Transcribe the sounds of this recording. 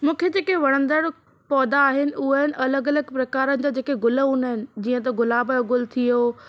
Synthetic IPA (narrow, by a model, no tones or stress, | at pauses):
mũːkʰed͡ʑeːkeʋɐɽ̃ə̃nd̪əɽ | pɔːd̪aːɦɪnɪ̆ʊɦaɪnɪ̆ʔɐləɡɐləɡpɾɐkaːɾənɪ̆d͡ʑaːd͡ʑeːkeɡʊləʊnəɦɪnɪ̆d͡ʑiːə̃t̪ɐɡʊlaːboɡʊlt̪ʰioː